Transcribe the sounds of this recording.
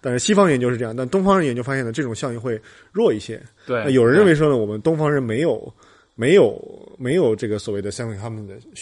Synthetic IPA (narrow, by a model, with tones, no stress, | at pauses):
t̪a˥˧nʂɻ̩˥˩ɕi˥fɑ˥ŋjɛ˩t͡ɕo˥˧ʊʂɻ̩˥˧ɤ˥˧jɑ˥˧a˥˩˧t̪ʊ˥ŋfɑ˥ŋɻjɛ˨˩t͡ɕo˥˩ʊfa˥ɕjɛ˥˩nd̪əʈ͡ʂɤ˥˩ʈ͡ʂʊ˨˩ŋɕjɑ˥˧ŋi˥˧xwe˥˧ɪ | ɻwɔ˥˧i˥˩ɕjɛ̰˥˧ | a˥˩jo˨˩ʊɻə˦˥ɻə˥˩nwe˧˥ɪʂ̬wɔ˥nə˨wɔ˨˩mə˦nt̪ʊ˥ŋfɑ˥ŋɻə˥˩nme˧˥ɪjo˨˩˦ʊ | me˧˥ɪjo˨˩ʊme˧˥ɪjo˨˩ʊʈ͡ʂɤ˥˩ɡə˩swɔ˨˩we˥˩ɪd̪ə˩ɕjɑ˥ŋi˥˩ŋt̪ʰa˥mə˨nd̪ə˩